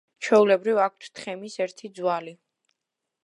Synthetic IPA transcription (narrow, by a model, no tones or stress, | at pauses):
t͡ʃʰwɛulɛbɾivak̚ʰt̪ʰt̪ʰχɛmisɛɾt̪ʰid̪zwali